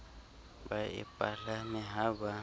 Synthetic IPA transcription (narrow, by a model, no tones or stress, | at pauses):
baḭpʼaɬamiɦaβa